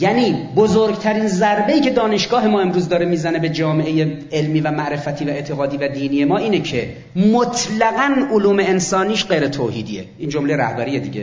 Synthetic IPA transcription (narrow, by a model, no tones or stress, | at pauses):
jæniːbozoɾɡt̪ʰæɾiːnzæɾbe̞iːcʰe̞d̪ɒːne̞ʃɡɒːɦemɒːe̞mɾuːzd̪ɒːɾemiːzæne̞be̞d͡ʒɒːmeʔeje | elmiːvæmæʔɾe̞fæt̪ʰiːvæe̞t̪ʰeɣɒːd̪iːvæd̪iːniːje̞mɒːiːnecʰe | mot̪ʰlæɣænoluːme̞ensɒːniːʃɢejɾet̪ʰoːhiːd̪ijḛʔiːnd͡ʒomlejɾæ̰hbæɾiːjed̪ḭːɟe